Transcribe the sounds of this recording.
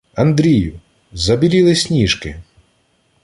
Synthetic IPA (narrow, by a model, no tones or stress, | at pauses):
ɐnd̪ɾʲijʊ | zɐbʲilʲilˠɪsʲnʲiʃkɪ̰